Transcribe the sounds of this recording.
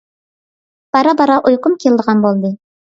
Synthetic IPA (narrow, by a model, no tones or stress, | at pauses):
b̥ɑɾɑbɑɾɑʔujqʊmkʲʰelˠd̪əʁɑnbolˠd̪ɨ